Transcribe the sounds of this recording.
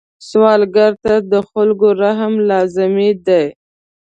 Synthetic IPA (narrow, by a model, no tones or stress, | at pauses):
swɑlɡaɾt̪ad̪əxʊlɡoɾaɦmlɑzɪmid̪aj